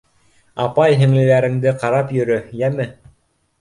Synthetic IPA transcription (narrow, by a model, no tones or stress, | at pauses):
ɑpɑjɦɘ̆ŋlɘ̆læɾɘ̆ŋd̪ɘqɑɾɑpjɵ̆ɾɵjæmɘ